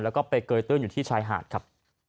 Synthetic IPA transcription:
lɛ˦˥wkɔː˥˩pa˧jkɤː˧jt̪ɯ˥˩ənjuː˨˩iː˥˩t͡ɕʰaː˧jɦa̰ː˨˩t̪̚kʰa˦˥p̚

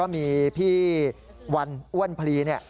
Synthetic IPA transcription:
ɔː˥˩miː˧pʰiː˥˩ | wa˧nʔu˥˩ənpʰa˧liː˧ni˥˩ɐ

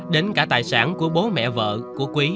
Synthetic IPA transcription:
ɗe˨˦nkaː˧˩t̪aː˨˩jsaː˧˩nku˧˩əɓo˨˦mɛ̰˧˨və̰ː˧˨ku˧˩əkwi˨˦

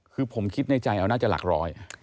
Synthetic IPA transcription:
kʰɯː˧pʰo˩˦mkʰi˦˥t̪̚na˧jt͡ɕa˧jʔa˧wnaː˥˩t͡ɕa˨˩la̰˨˩k̚ɾɔː˦˥j

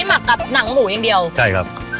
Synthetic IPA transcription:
jma˨˩kːa˨˩p̚na˩˦ŋmuː˩˦ja˧ŋdi˧əwt͡ɕʰa˥˩jkʰa̰˦˥p̚

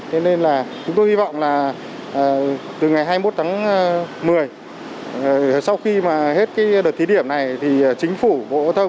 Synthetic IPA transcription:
t̪ʰe˧ne˧nlaː˨˩t͡ɕʊ˨˦ŋ͡mt̪o˧jhi˧vɔ̰˧˨wŋ͡mlaː˨˩˨ | t̪ɨ˨˩ŋa˨˩jɦaː˧jmo˦˥t̚t̪ʰaː˨˦ŋmɨ˨˩əj | sa˧wxi˧maː˨˩ɦe˦˥t̚kaː˨˦jɗəː˨˩t̪̚ʰi˨˦ɗi˧˩əmna˨˩jt̪ʰi˨˩˨t͡ɕï˨˦ŋ̟fu˧˩ɓo̰˧˥t̪ʰə˧

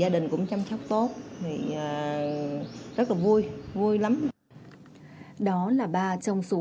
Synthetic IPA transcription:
aː˧ɗï˨˩ŋ̟kʊ̰˧˥ŋ͡mt͡ɕa˧msa˦˥wk͡p̚t̪o˦˥t̚t̪ʰi˨˩ə˨˩ | zə˦˥t̚laː˨˩vu˧əjvu˧jla˨˦m | ɗɔ˨˦laː˨˩ɓaː˧t͡ɕɔ˧wŋ͡msu˨˦

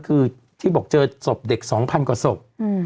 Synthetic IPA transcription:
kʰɯː˧ | t̪ʰiː˥˩bɔː˨˩k̚t͡ɕɤː˧so˨˩p̚de˨˩k̚sɔː˩˦ŋpʰa˧nkwaː˨˩so˨˩p̚ː

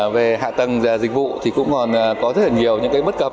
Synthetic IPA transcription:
ve˨˩ɦa̰ː˧˨t̪ə˨˩ŋzaː˨˩zï˨˩k̟̚vṵ˧˨t̪ʰi˨˩kʊ̰˧˥ŋ͡mkɔ˨˩nː˨˩kɔ˨˦zə˦˥t̚la˨˩ŋi˨˩əwɲɨ̰˧˥ŋkaː˨˦jɓə˦˥t̚kə˨˩p̚

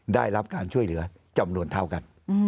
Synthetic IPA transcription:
ɗaː˧˩jlaː˧˥p̚kaː˨˦nt͡ɕu˧əjlɨ̰˨˦ə | t͡ɕə˨˩mnu˨ənt̪ʰaː˧˩wka˨˩ŋ˧

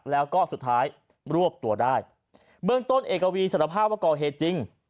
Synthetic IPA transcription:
k̚lɛː˦˥wkɔː˥˩su˨˩t̪ʰːaː˦˥j | ɾu˥˩əp̚t̪u˧ədaː˥˩j | bɯ˥˩əŋt̪o˥˩nʔeː˨˩kːa˧wiː˧sa˨˩a˧pʰaː˥˩p̚waː˥˩kɔː˨˩ɦeː˨˩t̪̚t͡ɕi˧ŋ

